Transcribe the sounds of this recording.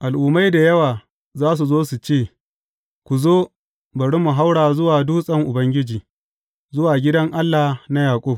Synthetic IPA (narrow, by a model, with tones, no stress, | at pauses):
ʔa˨lʔʊː˨ma˦jda˨jɐ˦waː˨ | zaː˦s̬u˨zoː˦su˨t͡ʃeː˦˨ | kʷu˨zoː˦ | bɐ˨ɽi˦mu˨ɦa˦wɽaː˨zʊ˦waː˨duː˦sʼɐ˦ŋʔʊ˨bɐ˦ŋɡʲɪ˦d͡ʒiː˨ | zʊ˦waː˨ɡʲɪ˦dɐ˦ŋʔa˦lːa˨na˦jaː˨kʷʼʊ˦˨b̚